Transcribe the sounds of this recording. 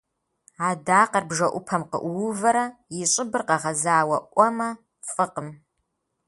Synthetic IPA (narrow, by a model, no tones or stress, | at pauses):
aːdaːqɐrbʒɐʔʷʊpʰɐmqə̰ʔwʊvɐɾɐjɪɕʼɪbɨrqɐʁɐzaːwɐʔʷʼɔmɐ | fʼɨqəm